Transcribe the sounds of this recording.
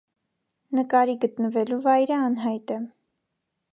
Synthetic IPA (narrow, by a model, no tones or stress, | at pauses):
nəkɑɾiɡət̪nəvɛluvɑjɾəɑnɦɑjt̪ɛ